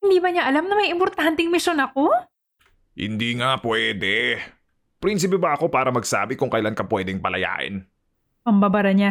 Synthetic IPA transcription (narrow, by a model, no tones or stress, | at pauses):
hɪnd̪iːbɐɲaʔɐlamnɐmɐjɪmpoɾt̪ant̪ɛŋmɪʃonɐko̞ | hɪ̰nd̪iːŋapwɛːd̪ɛ | pɾins̬ɪp̬ɛbɐɐko̞paːɾɐmɐɡsa̰ːbɪkʊŋkɐjlankɐpwɛːd̪ɛŋpɐlɐ̰ja̰ːʔɪ̰n | pɐmbabɐɾɐɲa